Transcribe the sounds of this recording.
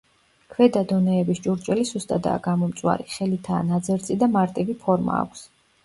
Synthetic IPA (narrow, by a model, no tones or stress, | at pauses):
kʰvɛd̪ad̪ɔnɛːbist͡ʃʼuɾt͡ʃʼwɛlisust̪ʼad̪a̰ːɡamɔmt̪sʼwa̰ɾiχɛlit̪ʰaːnad̪zɛɾt̪sʼid̪amaɾt̪ʼivipʰɔɾma̰ːkʷʰs